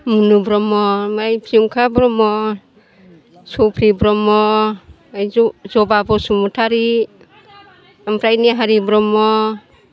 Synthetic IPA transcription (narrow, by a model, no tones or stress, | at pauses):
munubɾɔmɔmajpʰiuŋkʰabɾɔmɔ | supʰɾibɾɔmɔ | ajzɔbabɔsumutʰaɾi | ampʰɾajniɦaɾibɾɔmɔ